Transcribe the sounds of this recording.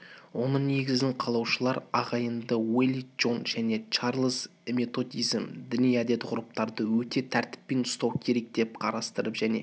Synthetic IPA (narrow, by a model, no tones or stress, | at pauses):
wo̞nəɴne̞ɡʲɪznɪɴqʰɑlˠɑwʃəlˠɑɾɑʁɑjənd̪əwelʲˠiʒo̞nʒæne̞t͡ʃɑɾlˠəz | me̞t̪o̞d̪ʲijzmd̪ʏnijæd̪e̞t̪qʰʊɾəp̚t̪ɑɾd̪əwɵt̪e̞t̪ʰæɾt̪ɪ̥pːe̞nʊst̪ɑwkʲʰe̞ɾe̞k̚d̪̥e̞p̚qʰɑɾɑst̪əɾəpʒ̥æne̞̰